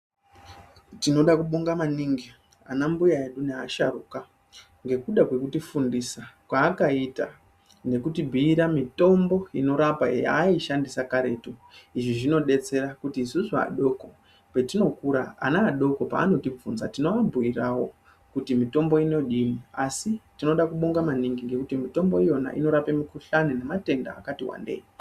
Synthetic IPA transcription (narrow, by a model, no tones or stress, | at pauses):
tino̞ɗakuɓoŋɡamaniŋɡi | anambujae̞ɗuneaʃaruka | ŋɡe̞kuɗakwe̞kutifundisakwaːkaita | ne̞kutibʱiiɾamito̞mbo̞ino̞ɾapa̰ja̰ːiʃandisakaɾe̞ːtoiʐiʐino̞ɗe̞t͡se̞ɾakutiːsuʐa̰ɗo̞ko̞ | pe̞tino̞kuɾaa̰naːɗo̞ko̞pa̰ːno̞tib͡vunzatino̞abʱuirawo̞ | kutimito̞mbo̞ino̞ɗimiasitino̞ɗakuɓo̞ŋɡamaniŋɡiŋɡe̞kutimito̞mbo̞ijo̞na̰ʔḭno̞ɾapemikuɬaninemate̞nda̰ːkatiwa̰ndḛji